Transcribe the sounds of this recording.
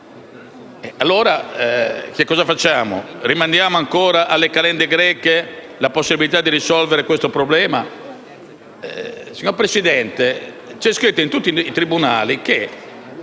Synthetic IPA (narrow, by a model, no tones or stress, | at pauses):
ɛalːoːɾa | kekːɔːzafat͡ʃːaːmo̰rimand̪jaːmoaŋkɔːɾaʔalːekalɛnd̪ɛɡɾɛːkːe | laposːibilit̪̬ad̪ːiɾisɔlvɛɾɛkwest̪opɾɔblɛːma | siɲoɾpɾesid̪ɛnt̪ɛ | t͡ʃɛskɾit̪ːoint̪ut̪ːiːt̪ɾibunaːlike